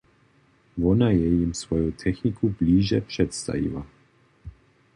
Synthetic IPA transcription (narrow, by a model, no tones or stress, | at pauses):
ʋonajɛjimsʋojut̪ʰɛxnikʰubliːʒɛpʂɛt̪st̪a̰ʋḭla